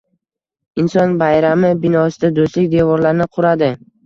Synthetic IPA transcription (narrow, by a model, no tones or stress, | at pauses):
ɪnsɒnbajɾamɪbɪnɒsɪd̪ad̪oslɪkʲd̪evɒɾlaɾnɪqʰʊɾad̪ɪ